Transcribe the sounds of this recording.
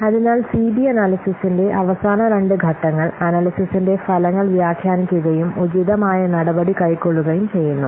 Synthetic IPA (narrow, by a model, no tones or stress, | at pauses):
ɐðinaːlsiːbiɐnaːlisisinde̞ʔɐʋɐsaːnɐɾe̞ɳɖɨɡʱɐʈːɐŋːɐɭɐnaːlisisinde̞fɐlɐŋːɐɭʋjaːɡʰʱjaːnikʲːuɣɐjumud͡ʑiðɐmaːjɐnɐɽɐbɐɽikɐjkːo̞ɭːuɣɐjumt͡ɕe̞jːunːu